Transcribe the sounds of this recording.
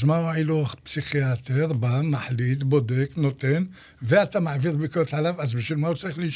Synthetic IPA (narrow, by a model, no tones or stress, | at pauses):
zmauʕiluaχpsiχijat̪eɾbamaħlid̪bod̪eknot̪en | veat̪amaʕviðbikolt̪ʕalafʔazbiʃvilmaut͡saʁiχliʃ